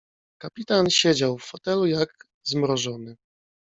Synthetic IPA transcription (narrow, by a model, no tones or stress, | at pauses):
kapʲit̪anɕed͡ʑawfːɔt̪ɛlujaɡ | zmɾɔʐɔnɘ